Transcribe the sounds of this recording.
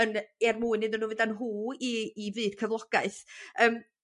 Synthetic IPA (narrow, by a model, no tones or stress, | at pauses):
ənɛrmuːɨnɨdənːuːvɨdanɦuːiːvɨːd̥kʰəvlˠɔɡ̥aɨθəːm